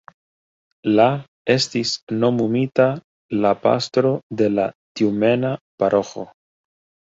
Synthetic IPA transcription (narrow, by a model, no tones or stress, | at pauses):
la | e̞stisno̞mumita | lapa̰stɾo̞de̞latiume̞napaɾʔo̞xo̞̰